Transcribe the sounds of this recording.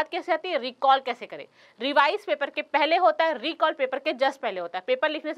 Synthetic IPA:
t̪̚kɛːseɦat̪iɦɛɾiːkɔːlkɛːsekɐɾḛː | ɾɪʋaːɪspeːpəɾkepɛɦleɦoːt̪aɦɛɾiːkɔːlpeːpəɾked͡ʒɐspɛɦleɦoːt̪aɦɛpeːpəɾlɪkʰnes

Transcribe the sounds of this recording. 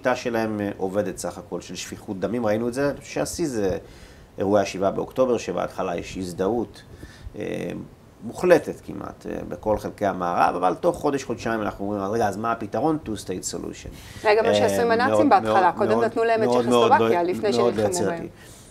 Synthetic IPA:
ʃitaʃe̞lahe̞mʔo̞ve̞detsaχako̞lʃelʃfiχut̚d̪amimʁainuetzeʃeasize | eʁuajeʃivabeo̰kto̞be̞ʁʃebḛa̰tχalajeʃizdaut | ḛ | muχle̞tetkimʔa̰tḛbeko̞lχe̞lke̞hamaːʁa̰vavalto̞χːo̞deʃχo̞dʃaimanʔa̰χnuomʁimaʁeɡaazmaapitaʁo̞ntustejtso̰lṵʃo̰neɡamaʃeasʁimanaeoimbeatmχalakod̪eodnat̪nulaemeod̪meodvalifnemeodlojjat͡seʁtḭ

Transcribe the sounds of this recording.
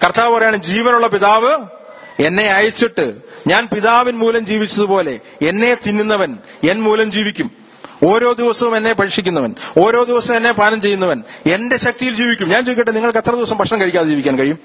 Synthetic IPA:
kɐrt̪aːʋpɐrɐjaːɳɨd͡ʑiːʋɐnuɭːɐpiðaːʋɨ | e̞nːe̞ɐjɐt͡ɕːiʈːɨɲaːnpiðaːʋinmuːlɐmd͡ʑiːʋit͡ɕːɐðupo̞ːle̞ | enːe̞t̪inːunːɐʋɐn | enmuːlɐmd͡ʑiːʋikʲːum | o̞ːɾo̞ːd̪iʋɐsɐʋume̞nːe̞pɐɻikʂikʲːunːɐʋɐno̞ːɾo̞ːd̪iʋɐsɐme̞nːe̞paːnɐmt͡ɕe̞jːunːɐʋɐne̞nde̞ɕɐk̚t̪ijild͡ʑiːʋikʲːumɲaːnt͡ɕejkʲːiʈːɨniŋːɐɭket̪ːrɐðiʋɐsɐmpɐkʂɳɐmkɐɻikʲːaːðed͡ʑiːʋikʲːaːnkɐɻijum

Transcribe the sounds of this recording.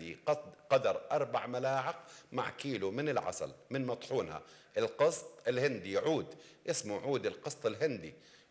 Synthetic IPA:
iqɑd̪ɑɾˤʔɑɾˤbaʕmalaːʕɪqma̰ʕkiːlumɪnɪlʕɑ̰sˤɑ̰lmɪnmɑt̪ˤħuːnha̰ʔɪlqɨst̪ˤɪlhɪnd̪ijʕuːd̪ʔɪsmuʕuːd̪ɪlqɨsˤt̪ˤɪlɦɪnd̪i

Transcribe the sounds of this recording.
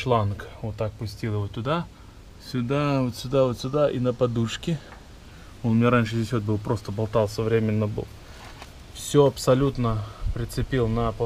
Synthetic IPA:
t͡ʃlˠankvot̪ːak̚pʊsʲtʲilˠjɪvot̪ʲʊd̪a | sʲʊd̪avot̪sʲʊd̪avot̪sʲʊd̪aʔinəpɐd̪uʂkʲɪ | onmʲɪnʲaɾanʲʂɨzʲes̬ʲvo̞t̪̚bɨlˠpɾo̞st̪əbɐlˠt̪alˠsəvɾʲemʲɪnːəbɨ̰lˠ | fsʲoɐpsɐlʲut̪nəpɾʲɪt̪sɨpʲilˠnəp

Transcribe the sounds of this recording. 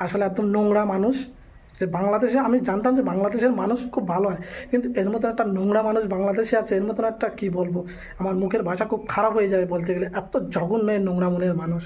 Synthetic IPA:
aʃoleɛk̚d̪omnoŋɽamanuʃ | d͡ʑebaŋlad̪eʃeamid͡ʑant̪̬amd͡ʑebaŋlad̪eʃeɾmanuʃkʰubːʱaloɦɔekint̪ueɾmɔt̪̬onɛk̚ʈanoŋɽamanuʃbaŋlad̪eʃeat͡ʃʰeeɾmɔt̪̬onɛk̚ʈakibolbo | amaɾmukʰeɾbʱaʃakʰub̚kʰaɾapɦojed͡ʑabebolt̪eɡeleʔɛt̪od͡ʑʱɔɡunːɔenoŋɽamoneɾmanuʃ

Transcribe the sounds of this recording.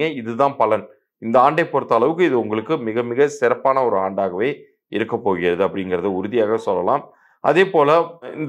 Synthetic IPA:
ŋɡɐɪðɯðãːnpɐlɐn | ɪnd̪ɐaːɳɖɐɪpːɔɾɯt̪ːɐːɭɐʋɯkːɯɪðɯʊŋɡɐɭɯkːɯmɪɣɐmɪɣɐsɪɾɐpːaːnɐɔɾɯaːɳɖaːɣɐʋeː | ɪɾɯkːɐpːoːɣɪɾɐðɯɐpːɐɽɪŋɡɪɾɐðɯʊɾʊðɪjaːɣɐsɔlːɐla̰ːm | ʔɐ̰ðeːpoːlɐɪnd̪

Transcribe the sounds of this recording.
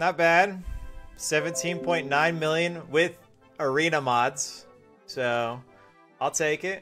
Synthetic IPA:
nət̚b̥æd̥̚sɛvɨ̃ntʰĩnpʰɔ̃ɪ̃nːãɪ̃nmɪlˠjɨ̃nwɪð | ə˞ĩnəmɑdz̥ | soʊ | aɪlˠtʰeɪkɪt̚

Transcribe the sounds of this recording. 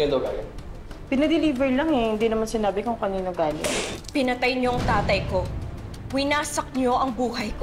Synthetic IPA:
ɐd̪ | pɪnɐd̪ɪliːbɛɹlaŋɛhɪnd̪iːnɐmansɪnaːbɪkoŋkɐniːnoɡaːlɪ̰t̪pɪnɐt̪ɐjɲoɐŋt̪aːt̪ɐjko̞ | wɪnaːsɐk̚ɲo̞ʔɐŋbuːɦɐjko

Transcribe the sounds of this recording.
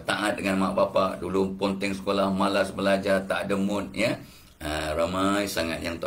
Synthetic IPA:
t̪aʔat̪̚dəŋanmaʔbapaʔdulupɔnt̪ɛŋsə̥kolahmalasbəlad͡ʒat̪aʔdəmʊt̪̚jə | əramajsaŋat̪̚jaŋt̪a

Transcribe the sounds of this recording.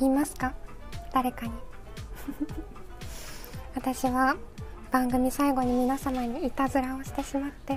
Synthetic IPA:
iːmasɨ̥ka | d̪̥aɾe̞kaɲ̟i | βat̪aɕiβab̥ãŋɡɯ̟mʲisaiɡo̞ɲ̟imʲinasamaɲ̟iːt̪azɨɾao̞ɕi̥t̪e̞ɕimat̪ːe̞

